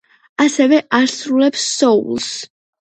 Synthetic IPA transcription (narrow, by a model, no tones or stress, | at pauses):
asɛvɛʔaɾsɾulɛpsːɔṵlˠs